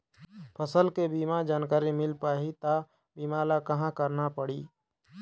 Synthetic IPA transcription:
pʰəsəlkebiːmad͡ʒaːnkaːɾimɪlpaːɦit̪a | biːmaːlakɐɦãkəɾnapəɽiː

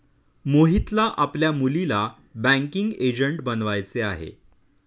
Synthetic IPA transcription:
moɦit̪laʔapljamulila | bæ̃ŋkiŋɡed͡ʑəɳʈbənʋajt͡seaɦḛ

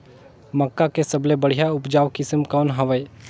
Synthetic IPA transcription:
məkːakesəblebəɽ̤ijaʊpd͡ʒaːʋkɪsmkɔːnɦəʋəj

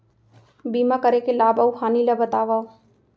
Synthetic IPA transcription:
bimakəɾekelaːbəwxʰaːnilabət̪aːʋa

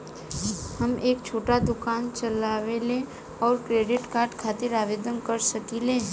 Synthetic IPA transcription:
hɐmʔeːkt͡ʃʰoːʈad̪ʊkaːnt͡ʃɐlaːʋele | ɔːɾkɾeːɖɪʈkaːɾɖkʰaːt̪ɪɾaːʋeːd̪ənkɐɾsɐkileɦ

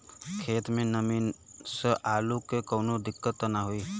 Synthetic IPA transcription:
kʰeːt̪menəminsəʔalukekəʊnod̪ikːət̪ːənaɦoi

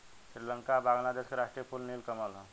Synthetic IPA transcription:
ɕɾiləŋkabaŋlad̪eskɾaʂʈɾiepulnilkəmalɔ

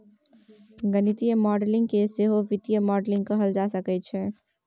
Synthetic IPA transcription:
ɡɐnɪt̪ijəmɔːɖlɪ̃ŋɡkeseːɦoʋɪt̪ijəmɔːɖlɪ̃ŋɡkɐɦəld͡ʒaːsɐkɛt͡ʃʰɛ

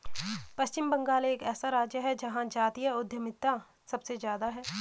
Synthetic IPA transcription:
pɐst͡ʃɪmbɐ̃ŋɡaːleːkɛːsaɾaːd͡ʒjəɦɛd͡ʒɐɦãd͡ʒaːt̪ijəʊd̪ʱjəmɪt̪ːa | sɐbsezjaːd̪aɦɛː

